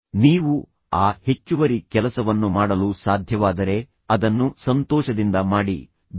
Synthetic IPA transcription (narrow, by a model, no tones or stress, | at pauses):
niːʋu | aːhe̞t͡ʃːuʋɐɾikɛlɐsɐʋɐnːumaːɽɐlusaːd̪ʱjɐʋaːd̪ɐɾe̞ | ɐd̪ɐnːusɐnt̪ɔːʃɐd̪ind̪ɐmaːɽḭ